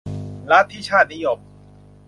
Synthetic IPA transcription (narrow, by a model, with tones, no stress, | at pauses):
la˦˥t̪ʰːiː˥˩t͡ɕʰaː˥˩t̪̚ni˦˥jo˧˩m̚